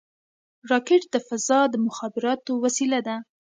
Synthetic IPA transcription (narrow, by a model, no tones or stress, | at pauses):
ɾɑkɪʈd̪əfazɑd̪əmʊxɑbɪɾɑt̪owasilad̪a